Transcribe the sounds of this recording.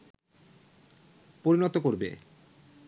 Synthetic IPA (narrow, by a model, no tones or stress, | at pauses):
poɾinɔt̪okoɾbḛ